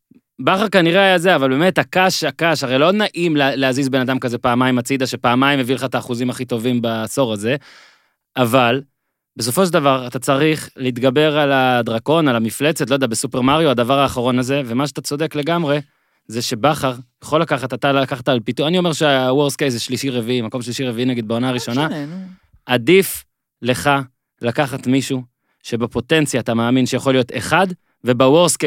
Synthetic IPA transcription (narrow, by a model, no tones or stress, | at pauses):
baχaʁkaniʁe̞ajaze̞avalbe̞me̞thakaʃakaʃaʁejlonaʔimleleazizbe̞nad̪amkazepaːmaimat͡sid̪aʃepaːmajmevileχaet̪aːχuzimaχito̞vimbaso̞ʁaze̞ | aval | be̞s̬o̞fo̞ʃ̬eldavaʁat̪at͡saʁiχliit̪ɡabe̞ʁalad̪ʁako̞nalamifle̞t͡set̪lojdɛabesupeʁmaʁjoad̪avaʁaːχaʁo̞naze̞ve̞maʃeat̪at͡so̞de̞kle̞ɡamʁe̞ | zeʃe̞baχaʁjaχo̞lakaχat̪at̪alakaχt̪alpit̪uanio̞me̞ʁʃeawoʁskejzeʃliʃiʁeviimako̞mʃliʃiʁeviinaɡid̚beo̞naːʁiʃo̞na | ʔadif | le̞χa | lakaχat̪miʃu | ʃe̞bepo̞te̞nt͡sjaːt̪amaːminʃejaχolijo̞t̪ḛχad | ve̞bawoʁske